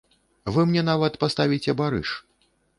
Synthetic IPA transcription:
vɨmnʲɛnavɐt̪past̪avʲit͡sʲɛbaɾɨ̰ʂ

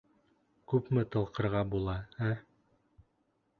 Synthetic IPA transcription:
kʉpmɘt̪ɤ̆lˠqɤ̆ɾʁɑbulˠɑæ

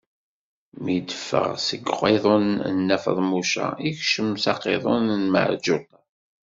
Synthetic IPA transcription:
mid̪əfːə̰ʁsəɡʁeðˤonənːæfə̰ðˤmuʃæ̰içʃəmsɑqeðˤonnmə̰ʕd͡ʒut̪

